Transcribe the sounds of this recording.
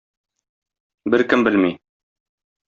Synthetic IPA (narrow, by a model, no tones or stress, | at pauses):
bɘɾkɘmbɘlmi